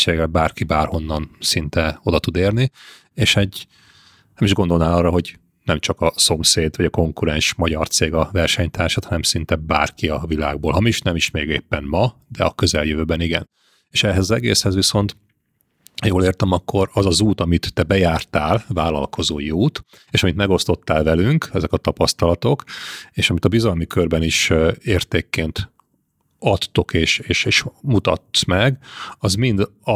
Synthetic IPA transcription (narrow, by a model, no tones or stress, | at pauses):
t͡ʃeɡɛlbaːrkibaːrho̞nːɒnsint̪ɛo̞d̪ɒt̪ud̪eːrni | eːʃɛɟː | nɛmiʒɡo̞nd̪o̞lnaːlɒːrɒɦo̞ɟ | nɛmt͡ʃɒkɒso̞mseːd̪ʋɒɟɒko̞ŋkuɾɛnʃmɒɟɒrt̪seːɡɒvɛrʃɛɲt̪aːrʃɔt̪hɒnɛmsint̪ɛba̰ːrkiɒvila̰ːɡ̚boːlɦɒmiʃnɛmiʃmeːɡḛːpːɛnmɒd̪ɛ̰ɒkøzɛljøvøːbɛniɡɛ̰n | eːʃɛɦɛzɒzɛɡḛːshɛzʋiso̞nt̪ | joːleːrt̪ɛmɒkʰːo̞ɾɒzɒzuːt̪ɒmit̪ːɛbɛjaːrt̪aːlvaːlɒ̰lkʰo̞zoːjiuːt̪ | eːʃɒmit̪mɛɡo̞st̪o̞t̪ːaːlvɛlyŋkɛzɛkɒt̪ɒpɒst̪ɒlɒt̪o̞keːʃɒmit̪ɒbizɒlmikørbɛniʃeːrt̪eːkːeːnt̪ | ɒt̪ːo̞keːʃeːʃeːʃmut̪ɒ̰t̪ːmɛɡɒzmind̪ɒ